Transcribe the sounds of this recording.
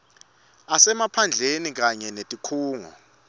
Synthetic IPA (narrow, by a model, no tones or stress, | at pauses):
asɛmapʰand͡ɮʱenik̬aɲɛnetʼikʰuːŋɔ̰